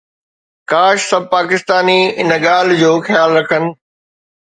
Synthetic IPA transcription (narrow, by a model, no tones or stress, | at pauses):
kaːʃsɐb̚ʱpaːkɪst̪aːniɪ̰nəɠaːl̤d͡ʑoːxjaːlɾɐkʰənɪ̆